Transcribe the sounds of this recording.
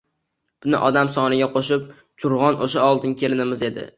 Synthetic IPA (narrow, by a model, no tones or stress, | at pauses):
b̥ʊnɪ̰ʔɒd̪amsɒnɪɡʲaqʰoʃɪp | t͡ʃʰʊɾʁɒnʔoʃaɒlˠd̪ɪnkʲʰe̞lɪnɪmɪze̞d̪ɪ̰